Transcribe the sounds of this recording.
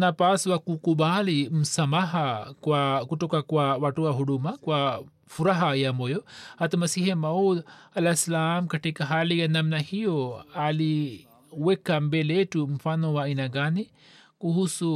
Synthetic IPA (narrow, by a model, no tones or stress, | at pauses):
napaːswakukubaːlimsɐmaɦakuwakuʈokakuwaʋaʈuwaɦuɽumakuwa | fuɾaɦajamojoɐt̪mɐsiɦemɐwd̪ɐlasɐlaːmkɐʈekaɦaːliɡɐnɐmnahijoali | wekːambeleʈumfanowainaɡaːni | kuɦusu